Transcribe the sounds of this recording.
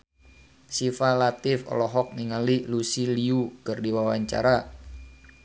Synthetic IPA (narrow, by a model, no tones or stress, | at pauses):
sifalat̪ɪfɔ̰lɔɦɔk̚niŋalilusiliukɨrdiwawaɲt͡ʃa̰ɾa